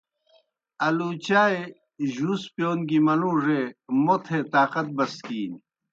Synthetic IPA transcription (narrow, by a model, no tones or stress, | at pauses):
ɐlut͡ɕaːe | ʑuːspjoːnɡimɐluːʐemot̪ʰet̪aːqɐt̪̚bɐskiːn